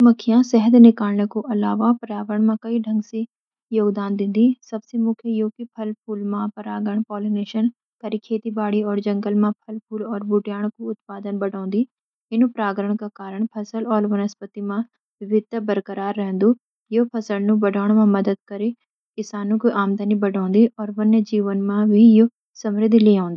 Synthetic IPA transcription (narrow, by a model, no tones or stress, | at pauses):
mɐkʰːɪjãsɛɦəd̪nɪkaːlnekoʔɐlaːʋapɾaːʋɾəɳ̃mãkɐiɖʱɐ̃ŋɡsi | joːɡd̪aːnd̪ɪ̃nd̪isɐbsemʊkʰjejoːkipʰɐlpʰuːlmãpɐɾaːɡəɽ̃pɔːlineːʃən | kɐɾikʰeːt̪ibaːɽiɔːɾd͡ʒɐ̃ŋɡəlmãpʰɐlpʰuːlɔːɾbuʈjaːɽ̃koʊt̪̚paːd̪ənbɐɖõːnd̪i | ɪnũpɾaːɡɾəɳ̃kakaːɾəɳ̃pʰəsəlɔːɾʋənəspət̪imã | bɪbɪd̪əbəɾkəɾaːɾːɛɦə̃nd̪uː | joːpʰɐsəlnũbəɖʱaːɽ̃mãmɐd̪əd̪̚kəɾe | kɪsaːnũkiʔaːmd̪ʱənibəɖʱõːnd̪iʔɔːɾʋənəd͡ʒiːʋənmãbʱijoː | səmɾɪd̪ʱliãːnd̪iː